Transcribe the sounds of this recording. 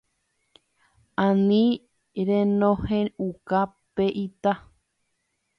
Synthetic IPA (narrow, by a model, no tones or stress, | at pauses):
ãnĩ | ɾẽnõhẽuka | peʔit̪a